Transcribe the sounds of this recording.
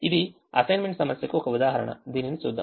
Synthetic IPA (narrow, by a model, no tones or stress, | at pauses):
id̪i | ɐ̰sɐjnmeɳʈsɐmɐsjɐkːuokɐud̪aːɦɐɾɐ̰ɳɐ̰d̪ininsud̪ʱːɐ̰